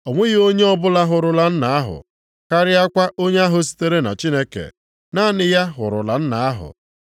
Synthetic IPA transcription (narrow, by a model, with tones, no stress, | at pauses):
ɔ˨ŋʷe˦ɣɪ˨o˦ɲe˦ɔ˦bʊ˦la˦ɦʊ˨ɾʊ˨la˨n̩˦na˨a˦ɦʊ̰˨ | ka˦ɾɪ˦a˦kʷa˦ʔo˦ɲe˦a˦ɦʊ˨s̬i̥˦te˦ɾe˦na̰˨t͡ʃi˦ne˦kḛ˨ | na˦nɪ˨ja˦ɦʊ̰˨ɾʊ̰˨la˨n̩˦na˨a˦ɦʊ̰˨